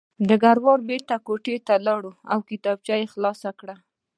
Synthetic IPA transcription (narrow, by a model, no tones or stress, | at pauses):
d̪əɡaɾwɑɾbeɾt̪akoʈet̪alɑɽuawkɪt̪ɑb̚t͡ʃɑjexlɑsakɽa